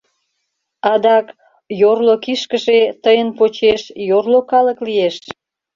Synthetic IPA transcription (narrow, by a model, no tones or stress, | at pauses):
ɑd̪ɑk | jorlokiʃkəʒet̪əjənpot͡ɕeʃjorlokɑlə̆klieʃ